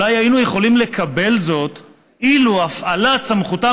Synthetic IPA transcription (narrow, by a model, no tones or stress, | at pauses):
ajhainuje̞χo̞limle̞kʰabe̞lzo̞t̪ | iluafalat͡samχuta